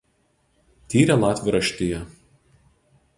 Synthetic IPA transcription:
t̪ʲiːɾʲɛlˠɑːt̪ʲʋʲɪɾɐʃʲt̪ʲɪjɛ

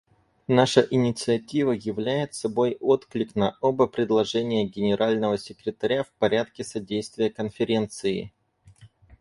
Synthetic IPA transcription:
naʂəʔɪnʲɪt̪sɨɐtʲivəjɪvlʲæjɪt̪sɐbo̞jo̞t̪klʲɪknɐo̞bəpɾʲɪd̪lˠɐʐɛnʲɪjəɡʲɪnʲɪɾʔalʲnəvəsʲɪkɾʲɪt̪ɐɾʲafpɐɾʲat̪̚kʲɪsɐdʲejst̪vʲɪjəkənfʲɪɾʲe̞nt̪sɨɪ̰

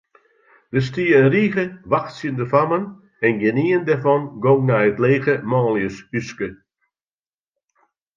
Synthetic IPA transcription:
d̥əs̬tiːəənriːɣəʋaxtsjəndəfamən | ɛnɡɪniːəndɛfɔnɡɔŋnaətleːɣəmɑːljəshyskə

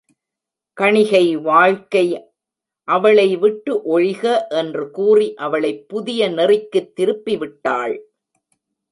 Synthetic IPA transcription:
kɐɳɪɣɐɪʋaːɻkɐɪ | ʔɐʋɐɭɐɪʋɪʈːɯʔɔɻɪɣɐʔɛndrɯkuːriʔɐʋɐɭɐɪpːʊðɪjɐnɪrɪkːɯt̪ːɪɾɯpːiʋɪʈːaːɭ

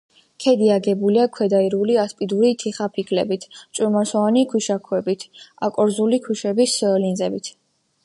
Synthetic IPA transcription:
kʰɛd̪iaɡɛbuliakʰwɛd̪aiɾuliaspʼid̪uɾit̪ʰiχapʰikʰʼlɛbit̪ʰt͡ʃʼuɾmasɔanikʰwiʃakʰwɛbit̪ʰa̰kʼɔɾzulikʰwiʃɛbislinzɛbit̪ʰ

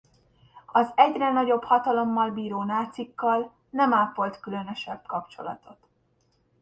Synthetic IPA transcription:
ɒzɛɟrɛnɒɟo̞bhɒt̪ɒlo̞mːɒlbiːɾoːnaːt̪sikːɒl | nɛmaːpvo̞lt̪kylø̞nø̞ʃɛbkɒpt͡ʃo̞lɒ̰t̪o̞t̪

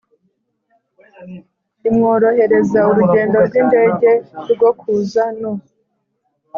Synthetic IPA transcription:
imŋo̞ːɾo̞he̞ɾe̞zauɾuɟe̞ːndo̞ɾɡinde̞ːɟe̞ɾɡokʰuzano

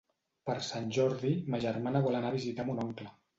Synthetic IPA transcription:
pəɾsanʲʒɔɾðiməʒəɾmanəβɔlanaβizit̪amunɔŋklə

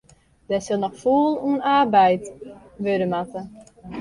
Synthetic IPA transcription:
d̥ɛsɪlˠnɔxfuːlˠuənarbɛjt | ʋødəmatə

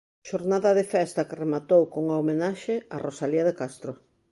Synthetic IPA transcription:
ʃoɾnaðɐðefɛst̪ɐkɪremat̪owkoŋaomenaʃɪarosaliaðekast̪ɾo

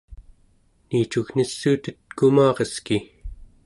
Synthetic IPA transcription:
niːt͡ʃuɣn̥isːuːt̪ət̪kumɑːʁeski

